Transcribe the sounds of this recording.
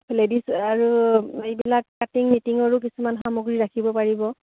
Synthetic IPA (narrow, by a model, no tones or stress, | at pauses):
ledisaɹuejbilakkatiŋmitiŋɔɹuk̬isumanɦamoɡɹiɹakʰibɔpaɹibɔ